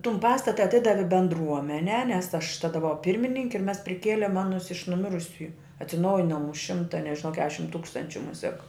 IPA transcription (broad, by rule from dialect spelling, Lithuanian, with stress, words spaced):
ˈtʊm ˈpɑːstɐtɐ ɐˈtʲɪdɐʋʲɪ bʲɛndˈruɔmʲɛnʲɛː nʲɛs ˈɐʃ ˈtɑːdɐ bʊˈʋɐʊ ˈpʲɪrʲmʲɪnʲɪŋʲkʲɪ ɪr ˈmʲɛs pʲrʲɪˈkʲeːlʲeːm ˈɑːnʊs ɪʃ nʊˈmʲɪrʊsʲʊjʊ ɐtʲsʲɪˈnɐʊjɪnoːm ʊʃ ˈʃʲɪmtɐ nʲɛʒʲɪˈnɐʊ ˈkʲæːʃʲɪm ˈtuːkstɐnʲt͡ʃʲʊ ˈmʊsʲɛk